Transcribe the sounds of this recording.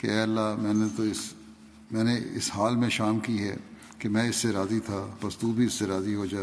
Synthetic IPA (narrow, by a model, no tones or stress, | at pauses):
keɛːɐlːamɛ̃ːnet̪oɪs | mɛ̃ːneɪ̰sɦaːlmẽʃaːmkiɦɛ̰ | kemɛ̃ɪsːeɾaːzit̪ʰapɐst̪ubʱiɪsːeɾaːziɦod͡ʒaːe